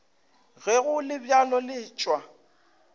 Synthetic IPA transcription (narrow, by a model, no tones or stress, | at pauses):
ɣɛɣʊlɪbjalɔlɪːt͡ʃʼwa